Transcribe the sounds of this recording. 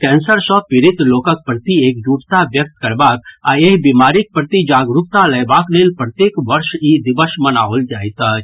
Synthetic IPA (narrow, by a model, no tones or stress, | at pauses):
kɛːnsəɾsɔ̃pɪɾɪt̪loːkək̚pɾət̪ieːkd͡ʒuːʈt̪aʋjək̚t̪kɐɾbaːk̪aeːɦbimaːɾɪk̚pɾət̪id͡ʒaːɡɾʊk̚t̪aləːbaːkleːlpɾət̪jeːkʋɐɾʃid̪ɪʋəʃmənaːoːld͡ʒaːit̪a